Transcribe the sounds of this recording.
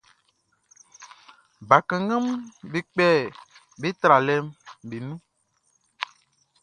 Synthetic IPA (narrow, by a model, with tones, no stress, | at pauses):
ba˨kɛ̃˨ŋə̃˦mbe˨k͡pɛ˦˨ | be˦t̪ɾa˨lɛ˦mbe˨nũ˦